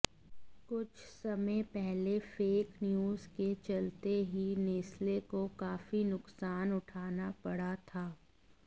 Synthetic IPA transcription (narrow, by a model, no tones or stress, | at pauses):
kʊt͡ʃʰsɐmə̃pɛɦlefeːknjuːzket͡ʃɐlt̪eɦineːslekokaːfinʊksaːnʊʈʰaːnapɐɽat̪ʰaː